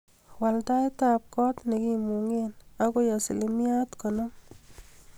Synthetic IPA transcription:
wa˨lta˦jt̪ap̚kɔ˦t̪ne˨ki˦mu˨ŋena˦ko˦ja˨si˨limi˦a˦t̪kɔnɔ˦

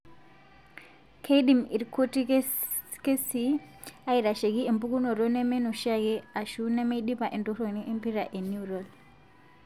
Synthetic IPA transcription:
kʰe˦ɗi˨mḭ˨ɾkʰo˦ti˦k | ke˦si˦ | a˦i˨ɾa˨ʃe˨ɡi˦e˨mbu˦ku˦nɔ˨ɾo˦nɛ˦me˦nɔ˨ʃa˦ɡɛ˦a˨ʃu˦nɛ˦me˦i˦ɗi˦pa˨ʔe˨ndo˦ɾo˨ni˦ʔe˦mpi˦ɾa˨ʔe˨nu˨ɾɔ˨l

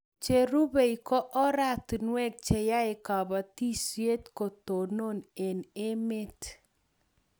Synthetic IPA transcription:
t͡ʃe˨ɾu˦be˨i˨kɔ˦ʔɔ˦ɾa˦ti˨nwɛ˦k̚t͡ʃe˨ja˦ɪ˨ka˨ba˨ti˦swe˦tko˨to˨no˦ne˨ne˦me˦t

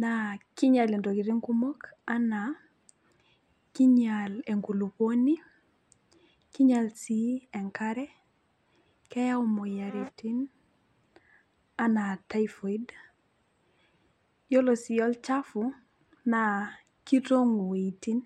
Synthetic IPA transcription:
nakɪ˦ɲa˨le˨ndo˨ki˨ɾi˦ŋku˦mo˦ka˦na | ki˦ɲale˨ŋɡu˨lu˨po˦ni˦ | ki˦ɲa˨lsi˦ɛ˨ŋkaɾɛ˦ | kɛ˦ja˦o˦mo˨ja˨ɾe˨ti˦n | a˦na˨ta˦ifo˨i˦d | jo˦lo˨sɪɔ˦lt͡ʃa˦fʊ˨ | na | ki˦to˦ŋu˨we˨i˨ti˦n

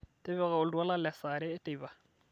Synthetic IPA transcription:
tʼe˦βɛ˦ɣa˨ʊ˨ldu˨a˦la˦lɛ˨sa˨ɾɪː˦tʼe˦˨ba˨

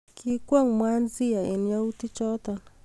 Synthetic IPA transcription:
kʰiku˦a˦ŋmwa˦nzi˦ja˨e˨n˦a˦uti˦t͡ʃɔt̪a˨n

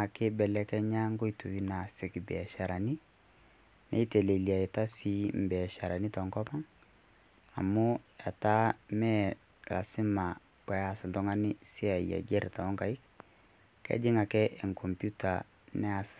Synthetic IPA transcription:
a˨kɪ˦bɛ˨lɛ˦kɛ˦ɲa˦ŋɡo˦i˦tu˨wi˦na˨sɪ˨kbɛ̰˨ʃa˨ɾa˨ni˦ | nʔɛ̰˦i˦te˨le˨li˨a˨e˨ta˦si˦m̩˨bɛ˨ʃa˨ɾʔa˨ni˦tɔ˨ŋkɔ˦pa˦ŋ | a̰˨mʊ˦a˨ta˦mɛ˦ | ɾa̰˨sɪ˦ma˨ | kwɛ˨a˦sɪ˨ntɔ˦ŋa˦nɪ˦si˦a˨ḭ˨a̰˨ɡɛ˦ɾta˨ɔ˦ŋka˨i˦k | kɛ̰˦d͡ʒɪ˦ŋa˨kɛ˦ʔɛ˨ŋkʰɔ˨mpju˦ta̰˨ | nɛ˦a˨s

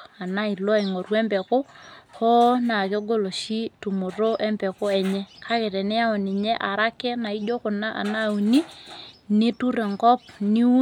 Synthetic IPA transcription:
a˨na˦i˨lo˦˨i˨ŋo˨ɾwɛ˦mbɛ˨ko˦ho˦na˨ke˦ɡo˦lo˨ʃi˦tu˨mʊ˨ro˦ʔɛ˦mbɛ˨ko˦ɛ˨ɲɛ˦kʰa˦ke˨tɛ˨nɛ˦a˦ɔ˨ni˨ɲɛ˦ʔa˨ɾa˦kɛ˦na˨i˦do˦kʊ˨na˦ʔa̰˨na˦˨u˨ni˦ni˦tu˦ɾɛ˨ŋɡɔ˦p̚ni˦u˦

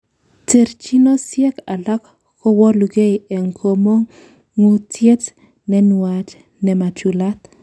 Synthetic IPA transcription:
te˨ɾt͡ʃi˦no˦sjɛ˦ka˨la˦k | ko˦wɔ˦lu˨ɡe˦˨e˨ŋkʰo˨mo˦ŋ | ŋu˨tje˦t | nɛ˦nwa˨t͡ʃ | nɛ˨ma˨t͡ʃu˨la˦t̪

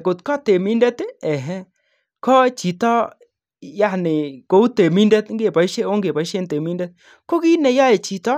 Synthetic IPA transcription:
ko˨t̪kɔ˦t̪e˨mi˦ndɛ˦t̪ɛ˨ɦɛ˦ | kɔ˦t͡ʃi˨t̪ɔ˦ | ja˦nɪ˨ko˨u˦te˨mi˦ndɛ˦t̪ŋɡe˦˨pɔ˨˦ʃe˦o˦ŋɡe˨pɔ˨˦i˦ʃe˦nt̪e˨mi˦ndɛ˦t̪̚ | ko˦ki˦nɛ˨jɔ˦je˨t͡ʃi˨t̪ɔ˦

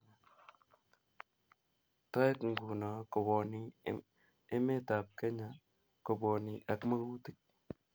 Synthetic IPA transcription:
ta˦e˦kŋ̩˨ɡu˨na˨kɔ˨bɔ˨ni˨ | ɪ˦me˦ta˨p̚ke˦ɲa˨ | kɔ˨bɔ˨ni˨ʔa˨kma˦ku˦ti˦k̚

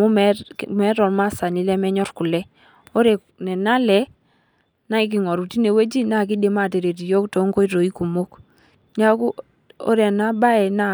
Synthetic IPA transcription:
ɔ˦mɛ˦mɛ˦ɾɔ˨lma˦˨sa˨ni˦lɛ˦mɛ˦ɲɔ˦ɾku˨lɛ˦ | o˦ɾɛ˨ | nɛ˨na˦lɛ˨ | na˦i˦k̬i˨ŋɔ˨ɾu˨ti˦ne˨we˦d͡ʒi˦na˦˨k̬i˦de˨ma˦˨te˨ɾe˨t̬i˨jo˦kto˨˦ŋko˦i˦ɾo˨i˦ku˨mo˦k | ɲa˦ku˦ | o̰˦ɾɛ˨na˦ba˦ɛ˨na˦

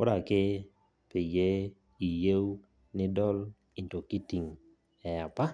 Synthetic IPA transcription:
ʊ˦da˨kɪ˦ | pɪ˨je˦ | i˨je˦w | nɪ˦dɔ˦l | i˨nto˨ki˦ti˨ŋ | ɛ˨a˨pa˦

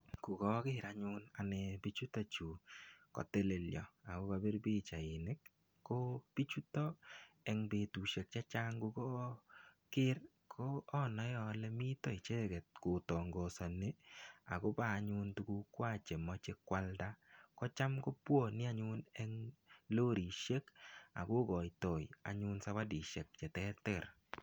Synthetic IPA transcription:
ku˨kɔ˦kɪ˦ɾaɲʊ˦na˨nɛ˨bi˦t͡ʃu˦tɔ˦t͡ʃu˨kɔ̰˨te˦le˨ljɔ̰˨a˨ko˦ka˧bi˦rbi˦t͡ʃa˨ɪ˨nɪ˦k | kːo˦b̥i˦t͡ʃu˦tɔ˦ | ɛ˦ŋbe˨tu˨ʃe˨k̚t͡ʃa˦t͡ʃa˦ŋɡu˧kɔ˦ | kɪ˦r | kʰo˦ɔ˦nɔ˨jɔ˨lɛ˦mi˦tɔ˦ɪ˨t͡ʃɛ˦ɡɛ˨t̚kʊ˨tɔ˨ŋɡɔ˨sɔ˨ne˦a̰˨ɡɔ˦baː˨ɲʊ˧ntu˦ku˦kwa˦˨t͡ʃe˨mɔ˦t͡ʃɪ˦kːwa˦lda˦kɔ˦t͡ʃa˦mkɔ˦pwo˦˨nɪ˦a˦ɲʊ˦nɛ˦ŋloː˦ɾi˨ʃe˦ka̰˨ɡʊ˦ɡɔ˨jtɔ˨ja̰˨ɲʊ˦nsa˦wa˦di˨ʃe˨k̚t͡ʃɛ˨tɛ˦tɛ˨ɾ

